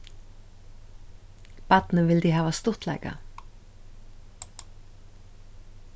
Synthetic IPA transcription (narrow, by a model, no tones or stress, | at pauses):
pɑt̪nɪvɪld̪iɦɑːʋast̪ʊht̪lɛ̰ɪjka̰